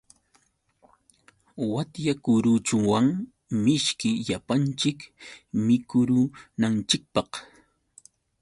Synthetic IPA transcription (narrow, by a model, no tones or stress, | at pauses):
wat̪jakʊɾʊt͡ʃʊwaŋ | mɪʃkɪʎapant͡ʃɪkmɪkʊɾʊnant͡ʃɪk̚pɑq